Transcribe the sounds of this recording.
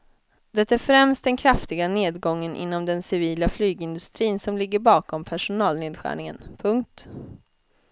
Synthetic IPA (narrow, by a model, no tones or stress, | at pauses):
d̪ɛt̪ːaæːɾfɾɛmst̪̚d̪ɛnkʰɾaft̪ɪɡaneːd̪ɡɔŋːənʔɪ̰nːɔmd̪ɛnsɪviːlaflyːɡɪnd̪ɵst̪ɾiːnsɔmlɪɡːəɾbɑːkɔmpʰæʂʊnɑːlneːd̪ɧæ̰ːɳɪŋə̰npʰɵŋk̚t̪